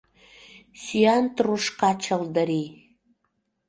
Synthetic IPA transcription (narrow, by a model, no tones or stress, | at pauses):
syænt̪ruʃkɑt͡ɕəld̪əɾi